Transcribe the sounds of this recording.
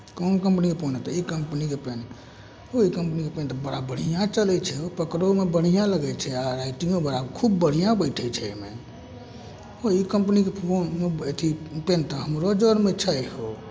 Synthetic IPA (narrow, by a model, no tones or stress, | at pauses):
konokəmpnikepʰonɛt̪ɔikəmpnikepen | oikəmpnikepent̪ɔbəɽabəɽ̤ijãt͡ʃəlɛt͡ʃʰɛopəkɾomebəɽ̤ijãləɡɛt͡ʃʰɛaɾaɪʈĩŋɡobəɾakʰubːəɽ̤ijãbəɪʈʰɛt͡ʃʰɛḛmḛ | oikəmpnikepʰonmeet̪ʰipent̪ɔɦəmɾod͡ʒənmet͡ʃʰəɦo